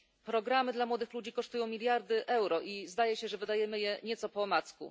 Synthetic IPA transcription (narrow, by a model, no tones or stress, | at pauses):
pɾɔɡɾamɘd̪lamwɔd̪ɘxlud͡ʑikɔʂt̪ujɔ̃w̃mʲilʲjaɾd̪ɘʔɛwɾɔʔizd̪ajɛɕɛʐɛvɘd̪ajɛmɘjɛɲɛt̪sɔpɔmat̪skṵ